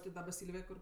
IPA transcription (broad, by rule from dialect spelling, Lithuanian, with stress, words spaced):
tʲɪ ˈdɑːbɐ ˈsʲiːlʲʋʲeːj ˈkʊr